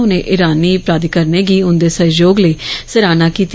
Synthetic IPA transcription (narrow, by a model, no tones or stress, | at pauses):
ʊnẽːʔɪɾaːniːpɾaːd̪ikəɾneːɡiːʊnd̪eːsəd͡ʒoːɡləiːsəɾaːnaːkiːt̪